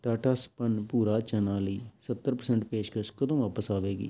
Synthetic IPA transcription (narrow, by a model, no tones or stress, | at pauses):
ʈaːʈaːspənpuːɾaːt͡ʃənaːləiːsət̪ːəɾpəɾsɛːɳʈpeːʃkəʃkəd̪õːʋaːpəsaːʋeːɡḭː